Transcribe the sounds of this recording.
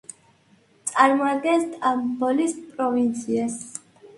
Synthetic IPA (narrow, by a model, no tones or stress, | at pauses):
t̪sʼaɾmɔaɡɛnst̪ʼambɔlispʼɾɔvint̪sʰias